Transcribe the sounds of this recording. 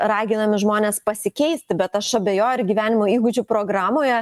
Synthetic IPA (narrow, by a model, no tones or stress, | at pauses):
ɾɑːɡʲɪnɐmʲɪʒmoːnʲeːspɐsʲɪkʲɛɪsʲt̪ʲɪbʲɛt̪ɐʃɐbʲeːjoːjrɡʲiʋʲæːnʲɪmoːiːɡʊd͡ʒʲʊpɾoːɡɾɑːmoːjɛ